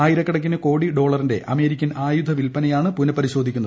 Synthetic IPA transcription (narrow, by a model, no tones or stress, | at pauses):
aːjiɾɐkːɐɽɐk̬ːinɨko̞ːɽiɖo̞ːɭɐrinde̞ʔɐme̞ːɾikʲːɐnaːjud̪ʱɐʋilpɐnɐjaːɳɨpunɐpːɐɾiɕo̞ːd̪ʱikʲːunːɐðɨ